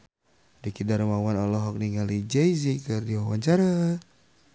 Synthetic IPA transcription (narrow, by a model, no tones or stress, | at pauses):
dikidaɾmawanɔlɔɦɔk̚niŋalid͡ʒɛizikərdiwawaɲt͡ʃaɾa